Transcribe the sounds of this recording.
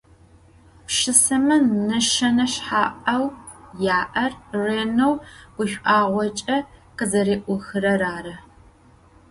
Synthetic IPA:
pʃɨsɐmɐnɐʃɐnɐɕħaːʔɐwjaːʔɐrreːnɐwɡ̥ʷʊɕʷʔaːʁʷɔt͡ʃʼɐqəzɐɾeːʔʷʊxɨɾɐɾaːɾɐ

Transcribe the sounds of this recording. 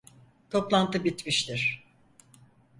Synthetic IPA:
t̪ʰo̞plˠant̪ʰɯbit̪miʃt̪ʰiɾ̥

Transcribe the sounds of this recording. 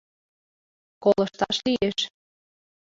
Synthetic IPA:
kolɤ̆ʃt̪ɑʃlieʃ

